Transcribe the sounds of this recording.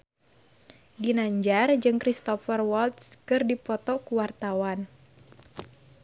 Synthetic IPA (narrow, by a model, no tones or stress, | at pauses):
dinaɲd͡ʒard͡ʒɨŋkɾist̪ɔfərwɔlt̪skɨrdipɔt̪ɔkuwart̪awan